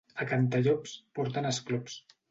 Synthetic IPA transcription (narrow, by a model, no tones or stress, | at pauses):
akant̪aʎɔpspɔɾt̪anəsklups